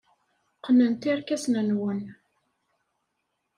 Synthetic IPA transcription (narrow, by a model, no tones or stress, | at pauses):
qnənt̪iɾkæsnənwən